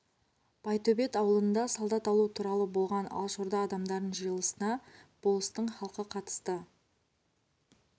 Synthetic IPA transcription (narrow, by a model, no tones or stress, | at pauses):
b̥ɑjt̪ʰɵbe̞t̪ɑwəlˠənd̪ɑsɑlˠd̪ɑt̪ɑlˠut̪ʰuɾɑlˠəbo̞lˠʁɑnɑ̰lˠʃoɾd̪ɑːd̪ɑmd̪ɑɾd̪ənʒəjəlˠəsənɑb̥olˠəst̪əɴχɑlˠqəqʰɑt̪ə̥st̪ə